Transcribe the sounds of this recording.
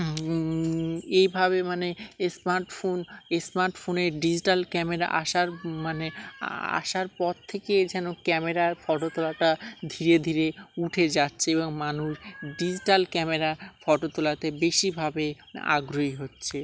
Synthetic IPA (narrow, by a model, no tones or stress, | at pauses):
ejbʱaβemanesmaɾʈfonesmaɾʈfʰoneɖid͡ʑiʈalkɛmeɾa̰ʔa̰ʃaɾmanea̰ʃaɾpɔɾt̪ʰeked͡ʑɛnokɛmeɾaɾfɔʈot̪olaʈad̪ʱiɾed̪ʱiɾeuʈʰed͡ʑatːɕʰeeboŋmanuʃɖid͡ʑiʈalkɛmeɾaɾfɔʈot̪olat̪ebeʃibʱabe | a̰ɡɾoiɦotːɕʰe